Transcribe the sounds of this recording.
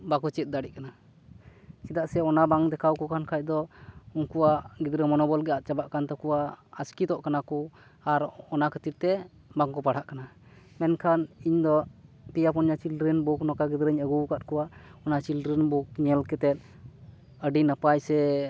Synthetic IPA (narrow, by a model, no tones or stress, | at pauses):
bakut͡ʃɛt̪̚d̪aɽiʔ̚kana | t͡ʃid̪aʔsɛɔnabaŋd̪ɛkʰawkɔkʰankʰac̚d̪ɔunkuwaʔɡid̪ɾəmɔnɔbɔlɡɛat̪̚t͡ʃabaʔkant̪ɔkɔwaaskit̪ɔʔkanakɔaɾɔnakʰət̪iɾ̚t̪ɛ | baŋkɔpaɽ̤aʔkanamɛnkʰaniɲd̪ɔ | t̪ijapɔnɲat͡ʃilɾənbuknɔkaɡid̪ɾəɲəɡuwkat̪̚kɔwaʔɔnat͡ʃilɾənbuk̚ɲɛlkɛt̪ɛt̪̚ | əɖinəpajsɛ